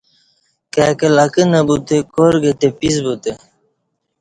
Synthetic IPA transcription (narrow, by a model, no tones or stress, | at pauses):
kaːkɐlɐkənɐbut̪ekoɾɡɐt̪episbut̪e